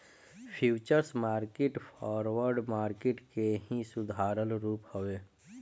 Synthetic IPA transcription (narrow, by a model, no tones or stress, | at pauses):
pʰjuːt͡ʃəɾsmaːɾkɪʈpʰɔːɾwəɾɖmaːɾkɪʈkeɦĩsʊd̪ʱaːɾəlɾuːphoʋeː